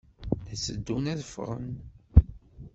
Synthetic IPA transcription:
θæsəd̪ːunæðəfʁə̰n

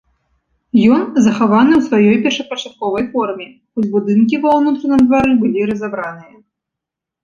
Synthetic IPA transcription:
jɔnzɐxavanɨwsvajɔjpʲɛrʂɐpɐt͡ʂat̪̚kɔvɐjfɔrmʲɛ | xɔd͡zʲbud̪ɨnkʲivɐwnut̪ɾɐnɨmd̪vaɾɨbɨlʲiɾɐzabɾanɨjɐ

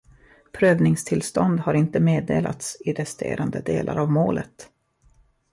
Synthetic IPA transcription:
pʰɾøːvnɪŋst̪ʰɪlst̪ɔnd̪haɾɪnt̪əmeːd̪eːla̰t̪sɪɾɛst̪ʰḛːɾʔand̪əd̪eːlʔa̰ɾavmoːlʔət̪

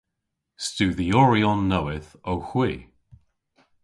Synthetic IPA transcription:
stʉːðiɔɹiɔnːowɪθowxwiː

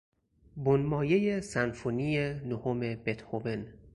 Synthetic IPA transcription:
bonmɒːjejesænfonijenohome̞b̥et̪hoben

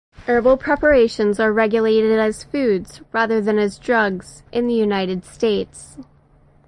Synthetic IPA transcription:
ʔɜ˞bl̩ˠpʰɹ̥ɛpə˞eɪʃɨ̃nzə˞ɹɛɡjɨleɪɾɨɾɨz̥fʉdz̥ɹæðə˞ðɨ̃nɨzdɹʌɡz̥ʔɨ̃nðɨjʉnaɪɾɨd̥steɪts

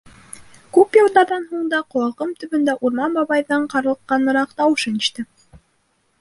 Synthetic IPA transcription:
kʉpjɑ̆lˠd̪ɑɾðɑnɦuɴd̪ɑqŏwɑʁɤmt̪ɵ̆βɵ̆nd̪æʔuɾmɑmbɑβɑjðɑɴqɑɾɤ̆lˠɤqːɑnɤ̆ɾɑqt̪ɑwɤ̆ʃɤ̆nĭʃt̪ɘ

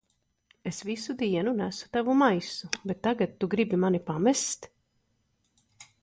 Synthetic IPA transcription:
esvisud̪iɛnunæsu̥t̪avumajsubet̪ːaɡat̪ːuɡɾibimanipamɛst̪

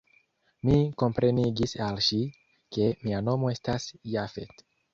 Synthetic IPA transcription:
miko̞mpɾe̞niɡisalʃi | ke̞miano̞mo̞e̞stasjafe̞̰t

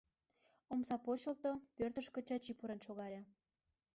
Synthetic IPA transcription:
omsɑpot͡ɕə̆lt̪opørt̪ə̆ʃkə̆t͡ɕɑt͡ɕipuɾenʃoɣɑɾʲɑ

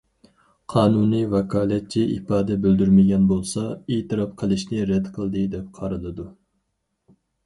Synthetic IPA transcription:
qʰɑːnunivɛkʰɑːlˠɛt̪̚t͡ʃʰiʔḭpɑːd̪ɛbøld̪yɾmɪɡʲɛnbolˠsɑet̪ʰɨɾɑpqʰəlˠɨʃnɪɾɛd̪qʰəlˠd̪ɨd̪ɛp̚qʰɑɾɨlˠɨd̪u

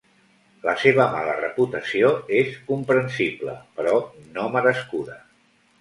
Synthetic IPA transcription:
ləseβ̞əmalərəput̪əsioeskumpɾənsiblə̰pəɾɔnoməɾəskuðə

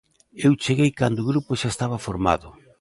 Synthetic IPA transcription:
ewt͡ʃeɣejkand̪oɣɾupʊʃaest̪aβafoɾma̰ðʊ

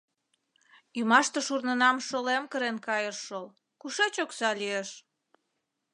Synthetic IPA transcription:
ymɑʃt̪əʃurnənɑmʃolemkəɾenkɑjəʃːəl | kuʃet͡ɕoksɑlieʃ

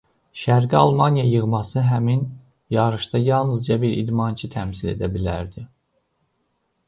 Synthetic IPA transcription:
ʃæɾɡiɑlˠmɑnijɑjɯɣmɑsɯɦæmin | jɑɾɯʃt̪ɑjɑlˠnɯzd͡ʒɑbiɾʔḭd̪mɑnt͡ʃʰɯt̪ʰæmsile̞̰d̪æbilæɾd̪i

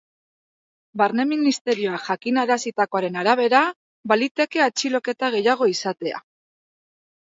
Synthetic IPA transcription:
baɾne̞minist̪e̞ɾio̞axakinaɾasit̪ako̞aɾe̞naɾaβ̞e̞ɾa | balit̪e̞ke̞at͡ʃilo̞ke̞t̪aɣ̞e̞jaɣ̞o̞isat̪e̞a̰

